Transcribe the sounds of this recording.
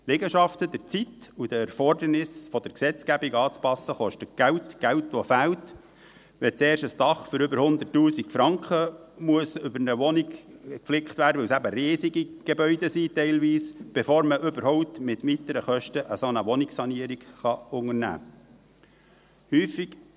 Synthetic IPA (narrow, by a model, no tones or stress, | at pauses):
lɛɡəʃɑft̪əd̥əɾt͡sit̪ud̥̪əɛɾfɔrdənɪsfɔd̥̪əɾksɛt͡skæbiɡɑːt͡spɑsːəχɔʃtət̚ɡ̥æwtɡ̥æwtʋofæwt̪ | ʋɛt͡seːɾʃəstɑχføɾʏbəɾhʊnd̪ərtːuːsikfɾɑŋkχəmuəsʏbənəʋɔniɡkflɪkχt̪vʋæːɾdəʋɪwsæbəɾeːsiɡiɡ̥ebœʏd̪əsitɛɪlʋiːsb̥efoːɾməʔʏbəɾhɔʊp̚t̪mɪt̪mit̪əɾəχœʃtəʔəsonəʋɔnɪksɑniəɾikχɑʊŋəɾnæ̰ː | hyːfik